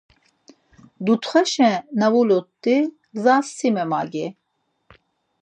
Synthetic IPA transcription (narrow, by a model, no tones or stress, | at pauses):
d̪ut̪χɛʃɛ̃navulɔt̪ːi | ɡzasːimɛma̰ɡɛ